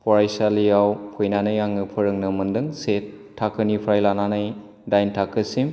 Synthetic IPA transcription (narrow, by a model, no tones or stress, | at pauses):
pʰɔɾajsalijawpʰojnanɯjaŋɯpʰɯɾɯŋnɯmɯndɯŋsetʰː | akʰɯnipʰɾajlananɯj | dajntʰakʰɯsim